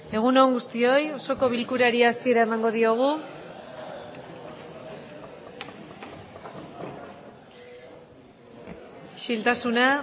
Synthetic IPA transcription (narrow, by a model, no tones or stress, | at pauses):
e̞ɣ̞unoŋɡust̪io̞jo̞so̞ko̞β̞ilkuɾaɾiasieɾae̞maŋɡo̞ð̞io̞ɣ̞u | ʃilt̪asuna